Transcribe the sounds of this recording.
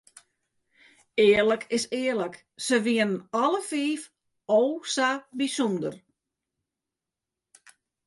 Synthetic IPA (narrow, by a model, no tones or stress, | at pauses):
ɪːərləkʰɪsɪːərlək | səʋiənənɔləfiːf | owsabisundər